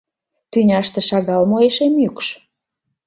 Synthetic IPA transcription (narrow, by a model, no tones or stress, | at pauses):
t̪ynʲɑʃt̪ĕʃɑɣɑlmoeʃemjykʃ